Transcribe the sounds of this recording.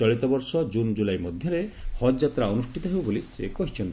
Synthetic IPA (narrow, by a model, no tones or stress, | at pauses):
ɔɭit̪ɔbɔɾsɔd͡ʒund͡ʒulajmɔd̪ʱjɔɾehɔjat̪ɾaɔnusʈʰit̪ɔɦebubolisekɔɦit͡ʃʰɔnt̪